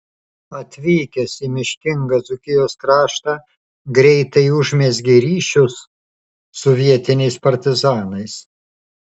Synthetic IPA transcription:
ɐt̪ʲʋʲiːkʲɛsiːmʲɪʃʲkʲɪŋɡɐzʊkʲɪjoːskɾɑːʃt̪ɑ | ɡɾʲɛɪt̪ɐɪʊʒʲmʲɛzʲɡʲɪɾʲiːʃʲʊsː | ɔʋʲiɛt̪ʲɪnʲɛɪspɐɾʲt̪ʲɪzɑːnɐɪs

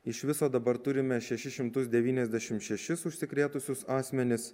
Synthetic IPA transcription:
ɪʃʋʲɪsoːd̪ɐbɐɾt̪ʊɾʲɪmʲɛʃʲɛʃʲɪʃʲɪmt̪ʊs̬d̪ʲɛʋʲiːnʲɛzʲd̪ʲɛʃʲɪmt̪ʃʲɛʃʲɪsʊʃʲsʲɪkɾʲeːt̪ʊsʲʊsɑːsʲmʲɛnʲɪs

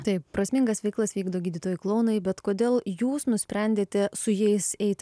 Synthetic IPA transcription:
t̪ɐɪppɾɐsʲmʲɪŋɡɐsʋʲɛɪklˠɐsʋʲiːɡd̪oːɡʲiːd̪ʲɪt̪oːjʊklˠɐʊnɐɪbʲɛt̪koːd̪ʲeːlˠjuːsnʊsʲpʲɾʲɛnʲd̪ʲeːt̪ʲɛsʊjɛɪsɛɪt̪ʲ

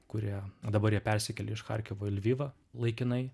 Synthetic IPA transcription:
kʊɾʲiɛd̪ɐbɐɾjiɛpʲɛɾʲsʲɪkʲɛlʲɪɪʃxɐ̰ɾʲkʲɛʋoːɪlʲʋʲiːʋɐ | lˠɐɪkʲɪnɐɪ

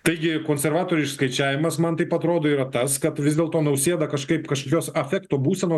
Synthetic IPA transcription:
t̪ɐɪɡʲɪkoːnʲsʲɛɾʋɑːt̪oːɾʲʊɪʃskɐɪt͡ʃʲæːʋʲɪmɐsmɐnt̪ɐɪpɐt̪ɾoːd̪oːiɾɐt̪ɐskɐt̪ʋʲɪzd̪ʲeɛlˠt̪oːnɐʊsʲeɛd̪ɐkɐʃkɐɪpkɐʃkoːkʲoːsɐfʲæːkt̪oːbuːsʲɛnoː

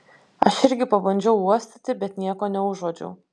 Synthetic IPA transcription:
ɐʃɪɾʲɡʲɪpɐbɐnʲd͡ʒʲɛʊuɔsʲt̪ʲɪt̪ʲɪbʲɛt̪nʲiɛkoːnʲɛʊʒoːd͡ʒʲɛ̰ʊ

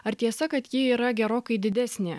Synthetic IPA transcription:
ɐɾt̪ʲiɛsɐkɐt̪jɪiːɾɐɡʲɛɾoːkɐɪd̪ʲɪd̪ʲæsʲnʲeː

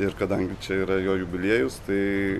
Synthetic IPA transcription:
ɪɾkɐd̪ɐŋʲɡʲɪt͡ʃʲɛiːɾɐjoːjʊbʲɪlʲiɛjʊst̪ɐɪ

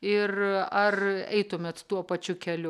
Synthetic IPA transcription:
ɪrɐrɛ̰ɪt̪ʊmʲɛt̪t̪uɔpɐt͡ʃʲʊkʲɛlʲʊ

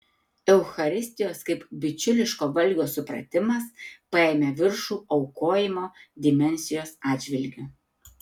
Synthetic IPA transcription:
ɛʊxɐɾʲɪsʲt̪ʲɪjoːskɐɪpbʲɪt͡ʃʲʊlʲɪʃkoːʋɐlʲɡʲoːsʊpɾɐ̰t̪ʲɪmɐspɐɛːmʲeʋʲɪɾʃuːɒʊkoːjɪmoːd̪ʲɪmʲɛnʲsʲɪjoːsɑːd̪ʲd͡ʒʲʋʲɪlʲɡʲʊ

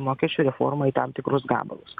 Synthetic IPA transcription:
moːkʲɛsʲt͡ʃʲuːɾʲɛfo̰ɾmɐiːt̪ɑmt̪ʲɪkɾʊsɡɑ̰ːbɐ̰lˠʊs

